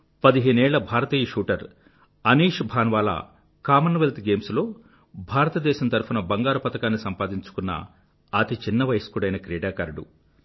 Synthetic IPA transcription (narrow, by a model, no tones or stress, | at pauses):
pɐd̪iɦeːnɛːɭːɐbʱaːɾɐt̪iːjɐʂuːʈɐɾ | ɐniːʂbʱaːnʋaːla̰ | kaːmɐnɐʋelt̪ɡe̞ːmslo̞ː | bʱaːɾɐt̪ɐd̪ɛːʃɐmt̪ɐɾpunɐbɐŋɡaːɾɐpɐt̪ɐkaːnːisɐmpaːd̪iɲt͡ʃu̥kunːɐ̰ | ɐt̪it͡ʃinːɐʋɐjskuɽɐjnɐkɾɛːɖaːkɐːɾɖṵ